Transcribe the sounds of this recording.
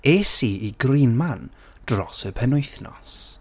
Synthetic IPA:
eːsiʔiɡriːnman | d̥rɔsəpʰɛnʊjθnɔ̰s

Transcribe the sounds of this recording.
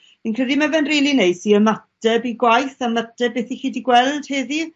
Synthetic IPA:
inkʰr̥ɛdimavɛnriːlˠinejsiəmatɛbiɡwajθamatɛbɛːθixiːdiɡwɛlˠd̥heːði

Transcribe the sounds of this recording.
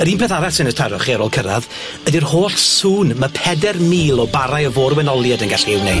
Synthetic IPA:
əɾiːnpʰɛθaɾɛsɪnətʰaɾɔχiaɾoːlˠkʰəɾa̰ð | ədirhoːɬsuːnməpʰɛdɛrmiːlˠɔbaɾajəvoːrwɛnɔlˠjadənɡaɬɪwne

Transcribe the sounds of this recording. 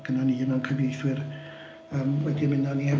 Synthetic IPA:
ɡ̥ənaniːənɔnkʰəvejθwɪr | əːmwɛdimɪnɔniɛ

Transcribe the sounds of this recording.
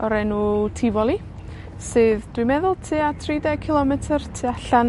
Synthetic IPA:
ɔɾɛnutʰivɔlˠi | sɨːðd̥wijmɛðʊlˠtʰɨːatʰridɛkʰɪlˠɔmɛtʰərtʰɨaɬan

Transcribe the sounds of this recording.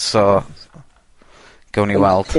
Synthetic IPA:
sɔ | ɡ̥əwniwalˠtʰ

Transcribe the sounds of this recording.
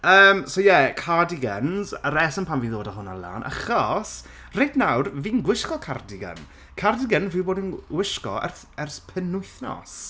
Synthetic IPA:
əːmsojɛkʰadɪɡənzəɾɛsənpʰaːmviːðoːdaɦʊna̰lˠa̰ːnʔa̰χɔs | rejdnawrviːnɡwɪʃkɔkʰardɪɡə̰n | kʰardɪɡənvɪwboːdənɡwɪʃkɔ̰ɛ̰rθ | ɛrθpʰənʊɨθnɔ̰s

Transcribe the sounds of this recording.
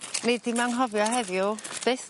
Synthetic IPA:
ned̚tʰimaŋɦɔvjɔɦɛðjʊd̥ɪs

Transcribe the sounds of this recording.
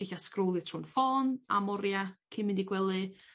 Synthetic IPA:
ɪɬaskroːlˠɨtʰrunfɔːna̰mɔɾjakʰɪmɪndiɡwɛlˠɨ

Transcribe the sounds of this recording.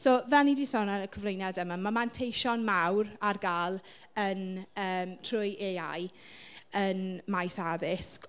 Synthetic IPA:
soːvɛlˠnidiːsɔnaəkʰəvlˠejnadəmamamantʰejʃɔnmawrarɡaːlˠ | ənəːmtʰrʊjʔea̰j | ənmajsaðɪsk

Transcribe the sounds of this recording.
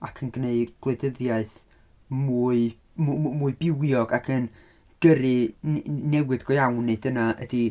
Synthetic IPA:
akʰənɡneɨɡ̥lˠedəðjaɨθ | muːɨ | mmuːɨbɪwjɔɡakʰən | ɡ̥əɾɨ | nɛwɨdɡɔjawnɨdənaə̰di

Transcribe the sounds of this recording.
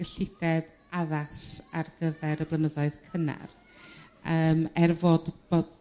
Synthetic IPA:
ɡ̥əɬɪdɛð | aðasarɡəvɛɾəblˠənəðɔɨð̥kʰəna̰r | əːmɛrvɔdbo

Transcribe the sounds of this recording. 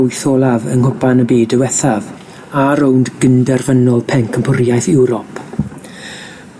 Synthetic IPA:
jθɔːlˠavə̰nhʊbanəbiːdəwɛθav | aɾowndɡəndɛrvənɔlˠpʰɛŋkʰəmpʰʊrjajθɪwɾɔpʰ

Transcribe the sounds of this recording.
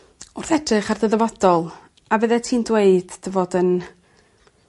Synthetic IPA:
ʊrθɛd̥rɨχarðəðɛvɔd̥ɔlˠ | avəðɛtʰiːndweɨd̥d̥əvoːdən

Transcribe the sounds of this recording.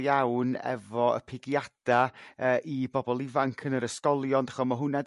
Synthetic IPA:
jawnɛ̰vɔə̰pʰɪɡjad̥aəːʔibɔbɔlˠɪvaŋkʰənəɾəskɔlˠjɔndaχɔsmaɦʊnɛd

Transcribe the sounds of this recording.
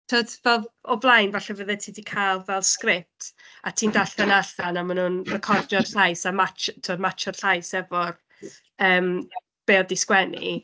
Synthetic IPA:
tʰoːdvɛlˠɔblˠajnvaɬɛvəðɛtʰiːdikʰajlˠvɛlˠskrɪp̚tʰ | atʰiːndaɬdanaɬanamanhunrəkʰɔrdɔd̥ɬajsamat͡ʃtʰoːdmat͡ʃɔd̥ɬajsɛvɔr | əːm | b̥eːɔdɪskwɛnḭ

